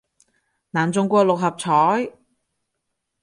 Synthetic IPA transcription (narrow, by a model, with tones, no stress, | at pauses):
naː˨˩nt͡sʊ˧ŋkʷɔː˧lʊ˨k̚hɐ˨p̚t͡sʰɔː˨˥j